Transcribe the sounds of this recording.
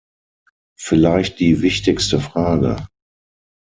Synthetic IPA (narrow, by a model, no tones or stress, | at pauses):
fɪlaɪçt̚d̥iːvɪçtɪkstəfʁ̥aːɡə̰